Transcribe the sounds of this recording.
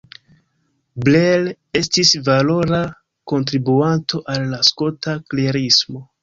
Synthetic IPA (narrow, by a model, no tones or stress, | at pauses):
blel | e̞stisvalo̞ɾa | ko̞nt̬ɾibuantʰo̞ʔalːasko̞takleɾismo̞